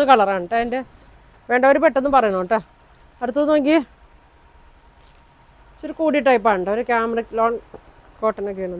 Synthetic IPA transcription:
ɨkɐɭɐraːɳɨʈːɐinde | ʋe̞ːɳɖɐʋoɾupeʈːenːɨpɐrɐjːunoːʈːɨ | ɐɾut̪ːunoːŋɡi | t͡ɕoɾukuːɽiʈːɐjpːaːɳɳʈːɨoɾukʲaːmrɐklo̞ːɳ | ko̞ːʈːɐnokːeɳon

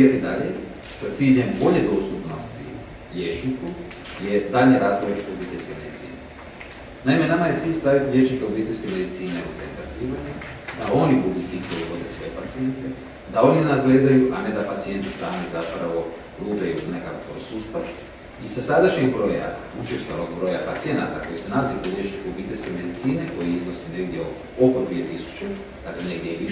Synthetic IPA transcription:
at̪id̪aʎḛ | sat̪siːʎembo̞ʎed̪o̞ːst̪upno̞st̪ḭ | ʎeʃniku | je̞d̪aʎɲeɾaːzɡoʋoɾbit̪e̞ʎʲskeme̞d̪it̪sḭːne | naime̞namaje̞siːʎʲst̪aʋit̪iʎʲe̞ʃnikeobiːt̪e̞ʎʲskeme̞d̪it̪siːneṵt̪ḛnt̪aɾzpiːʋaɲa | d̪ao̞nibud̪ut̪siːʎʲkojiʋo̞d̪e̞sʋo̞jepat̪sije̞nt̪e | d̪ao̞ninad̪ɡle̞ːd̪ajuʔane̞d̪apat̪sije̞nt̪isaːmizapɾaʋo̞ | luːpejuuznekakko̰suːst̪aʋ | isasad̪aʃɲeɡbɾo̞ːja̰ut͡ʃest̪oanoɡbɾo̞ːjapat̪sije̞na̰t̪ako̞jisunaziukuɾjet͡ʃnikeobiːt̪e̞lʲske̞me̞d̪it̪siːne̞ko̞jiiznoseneɡd̪jḛ | okod̪ʋie̞t̪isu̥t͡ʃe | d̪̥akleneɡd̪ʲieʋi

